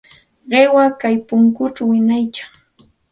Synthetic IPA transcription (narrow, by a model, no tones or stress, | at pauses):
ɢewakajpʊŋkʊt͡ʃawɪnajt͡ʃḁ